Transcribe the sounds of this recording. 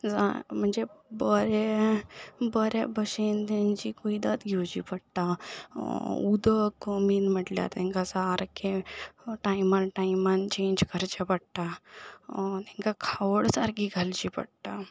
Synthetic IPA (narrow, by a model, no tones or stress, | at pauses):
d͡zam̤əɳd͡zebəɾe | bəɾabʱəɕent̪ãɲt͡ɕikoid̪at̪ɡʱewt͡ɕḭːpəɽʈ̪a | ud̪əkmiːnm̤əʈlja̰t̪t̪ɛ̃ŋkasaːɾkeʈajmanʈajmant͡ɕẽɲd͡ʑkəɾt͡ɕapəɽʈa | t̪ɛ̃ŋkakʰaʋəɽsaɾkiɡʱalt͡ɕipə̰ɽʈa